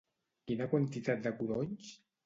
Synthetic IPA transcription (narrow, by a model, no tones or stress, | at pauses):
kinakwant̪it̪at̪̚d̪əkuɾoɲs